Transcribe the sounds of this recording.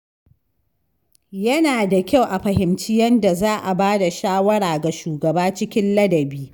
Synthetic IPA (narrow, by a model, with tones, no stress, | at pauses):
jɐ˦naː˨da˨kʲa˦˨wʔa˨ɸɐ˨hɪ˨mt͡ʃɪ˦jɐ˦nda˨zaː˦ʔa˨baː˦da˨ʃaː˦wɐ˦ɽaː˨ɡa˨ʃuː˨ɡɐ˨baː˦t͡ʃɪ˦kʲɪ˦nlɐ˦dɐ˨biː˦